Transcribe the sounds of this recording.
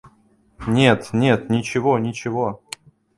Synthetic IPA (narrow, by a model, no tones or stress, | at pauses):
nʲe̞t̪nʲe̞t̪nʲɪt͡ɕɪvonʲɪt͡ɕɪvo